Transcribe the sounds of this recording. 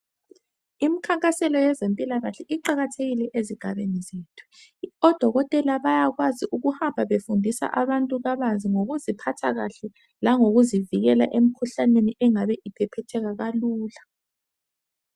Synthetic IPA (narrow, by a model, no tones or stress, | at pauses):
imikʰaŋkʼasɛlɔjɛzempʼilaɣaɬɛʔiǃaɣatʰeɣilɛʔeziɡ̥ʱaβenizeːtʰu̥ɔd̥ʱɔɣɔtʼɛlaβajaɣwaziʔuɣuhambʱaβefundʱisa̰ʔaβantʼuɣaβanzʱiŋoɣuzipʰatʰaɣa̰ɬɛ | laŋoɣuziviɣɛla̰ʔem̩kʰuɬaneniʔɛŋaβɛʔipʰɛpʰɛtʰɛɣaɣaluːla